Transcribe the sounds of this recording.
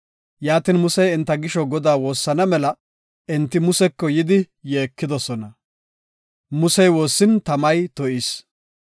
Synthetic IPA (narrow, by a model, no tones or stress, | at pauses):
jaːt̪inmʊsɛjɪnt̪ːɐɡɪʃɔɡɔd̪aːwo̞ːsːɐnɐmɛlɐ | ʔɛnt̪ːɪmʊsɛkːɔjɪd̪ɪ | jeːkːɪd̪ɔsɔnɐ | mʊsɛjwo̞ːsːɪnt̪ɐmɐjt̪ɔʔis